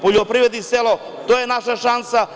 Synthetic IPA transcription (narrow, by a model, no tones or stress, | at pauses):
poʎopɾiʋɾed̪niselo | t̪ojenaʃaʃansa